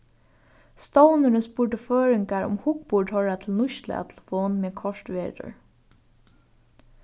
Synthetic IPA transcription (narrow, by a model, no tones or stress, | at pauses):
st̪ɔwnəɾənspʊɹʈəføːɹɪŋkaɹʊ̰mhʊkpʊʈhɔɹat̪ʰɪlnʊʃt̪lə̰a̰t̪ʰɪl̩fɔːnmɛːkʰɔʂt̪ʋeːtʊ̰ɹ